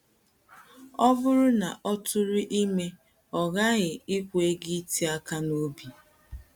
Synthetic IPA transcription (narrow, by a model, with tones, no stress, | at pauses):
ɔ˦vʊ˦ɾʊ˦na̰˨ʔɔ˦tʊ˦ɾi˦ʔi˦me˦ | ɔ˨ɣa˦ɣɪ˨ɪ˦kʷee˦ɡi˦ti˦a˦ka˦no˦bi˨